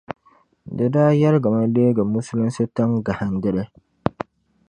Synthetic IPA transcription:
dɨ˨daː˦jɛ˦ɾɡa˨ma˦leː˦ɡa˨mu˦su˦lɨ˦n˦sɨ˦ta˦ŋɡa˨ha˨n˦dɪ˦ɾɪ˦

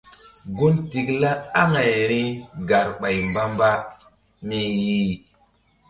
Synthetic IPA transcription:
ɡu˦nti˨kla˦a˦ŋa˨jɾi˦ɡa˨ɾɓa˨jmba˦mba˦ | mi˦ji˦

